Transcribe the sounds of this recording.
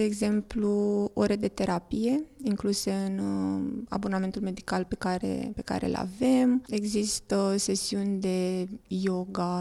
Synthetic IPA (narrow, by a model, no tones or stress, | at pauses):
d̪e̞ːɡze̞mpluo̞ɾed̪e̞t̪e̞ɾapije̞iŋkluse̞ɨn | a̰boname̞nt̪ulme̞d̪ikalpekaɾḛpe̞ka̰ɾe̞̰la̰ve̞me̞ɡzist̪əse̞siunʲd̪e̞jo̞ɡa